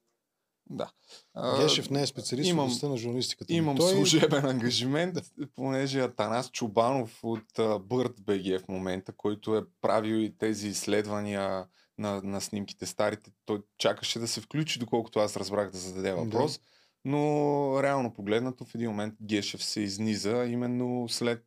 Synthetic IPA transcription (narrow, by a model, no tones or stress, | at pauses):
d̪a̰ | əɡʲɛʃɛfnɛɛspɛt̪siɐlisimɐmst̪ənɐʒuɾnɐlist̪i̥kət̪imɐmslˠuʒɛbɛnɐŋɡɐʒimɛnt̪ponɛʒɛɐt̪ɐnast͡ʃʊbanofot̪əbɤɾt̪bɛɡ̟ɛfmomɛnt̪əkɔjt̪ʊɛpɾʔaviwit̪ɛziːsːlɛd̪vɐniə | nɐnɐsnimki̥t̪ɛst̪aɾit̪ɛt̪ɔjt͡ʃakəʃɛd̪ɐsɛfklʲut͡ʃid̪okɔlˠkʊ̥t̪ʊasɾɐzbɾaɣd̪ɐzɐd̪ɐd̪ɛvɐ̰pd̪ɾɔs | noɾɛalˠnopoɡlɛd̪nət̪ofɛd̪inmomɛnt̪̚ɡʲɛʃɛfsɛiznizəimɛnːoslɛt̪̚